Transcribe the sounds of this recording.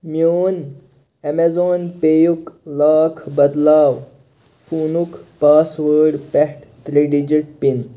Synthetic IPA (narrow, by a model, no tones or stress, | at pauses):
mjoːn | emezoːnpeːjuklaːkʰbɐd̪laːw | fuːnukpaːsʋəːɖpɛhʈt̪ɾiɖid͡ʒiʈ̚pin